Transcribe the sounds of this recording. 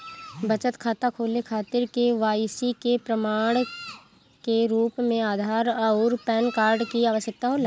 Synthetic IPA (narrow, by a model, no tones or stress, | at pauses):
bət͡ʃət̪kʰaːt̪akʰoːlekʰaːt̪ɪɾkeʋaːsikepɾəmaːɽ̃ | keɾuːpmẽaːd̪ʱaːɾaʊːɾpɛːnkaːɾɖkiaːʋəʃjək̚t̪aɦoːlaː